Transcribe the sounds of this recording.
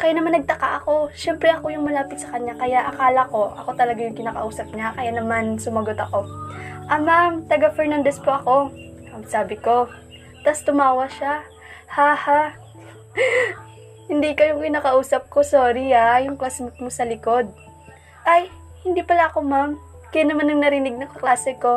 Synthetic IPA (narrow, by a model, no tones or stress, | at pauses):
kɐjanɐmanːɐɡ̚t̪ɐka̰ʔɐko̞ʃɛmpɾɛʔɐko̞jʊŋmɐlaːpɪt̪sɐkɐɲːakɐjaʔɐkaːlɐko̞ʔɐko̞t̪ɐlɐɡajʊŋkɪnaːkɐ̰ʔuːsɐp̚ɲakɐjanɐmansʊmɐɡo̞t̪ɐko̞ʔɐmamt̪ɐɡafɛɹnand̪ɛspoʔɐko̞ | ɐsaːbɪko̞ | t̪ɐst̪ʊmaːwɐʃa | haːha | hɪnd̪iːkɐjʊŋkɪnaːkɐʔuːsɐp̚ko̞soːɾiajʊŋklaːsɪmmosɐlɪko̞d̪̚ | ʔaj | hɪnd̪iːpɐlaʔɐko̞mam | kɐjanɐmanːɐŋnɐɾɪnɪɡ̚nɐŋkɐklaːsɛko̞